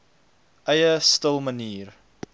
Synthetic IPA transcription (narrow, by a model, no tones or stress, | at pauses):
ʔəjəstəlˠməniːr